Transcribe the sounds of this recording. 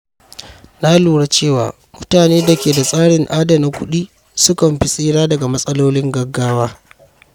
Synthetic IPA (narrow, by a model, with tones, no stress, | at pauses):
na˦luː˨ɽa˦t͡ʃeː˦˨wa̰ː˨ | mʊ˦taː˨neː˦da˨kʲeː˨da˨sʼaː˦ɽɪ˨ŋʔaː˦da˨na˦kʷʊ˦ɗiː˦ | sʊ˦kɐ˨mɸi˦sʼiː˦ɽaː˦dɐ˨ɡa˨mɐ˦sʼɐ˦loː˦lɪ˦ŋɡɐ˨ɡːaː˦waː˦